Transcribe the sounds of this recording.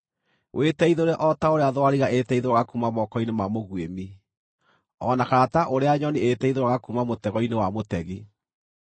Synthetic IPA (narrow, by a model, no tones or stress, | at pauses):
wʔetɛiðeoɾɛʔɔtaoɾeaðwaɾiɣaʔetɛiðewaɣakumamɔkɔinemamoɣwemi | ɔnakaɾataʔoɾeaɲɔnietɛiðewaɣakumamotɛɣɔinewamotɛɣi